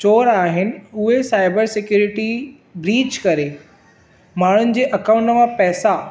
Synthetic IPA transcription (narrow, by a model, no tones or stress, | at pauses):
t͡ɕoːɾaːɦɪnɪ̆ʊɦesaːɪbəɾsɪkjuːɾɪʈi | bɾiːd͡ʑkɐɾe | maːɳ̤ʊnɪ̆d͡ʑeːʔɐkaːʊ̃ɳʈmãpɛːsa